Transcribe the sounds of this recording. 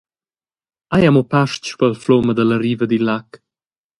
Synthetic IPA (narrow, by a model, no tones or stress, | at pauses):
ajamopaʃt͡ʃpəlfloməd̪ələɾivəd̪ilak